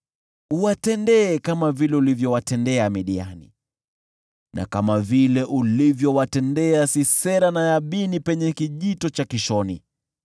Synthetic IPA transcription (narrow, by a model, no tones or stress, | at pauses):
uwatɛndɛːkamavilɛulivjɔwatɛndɛamiɗianḭ | nʔa̰kamavilɛʔulivjɔwatɛndɛasisɛɾanajaɓinipɛɲɛkiʄitɔt͡ʃakiʃɔnḭ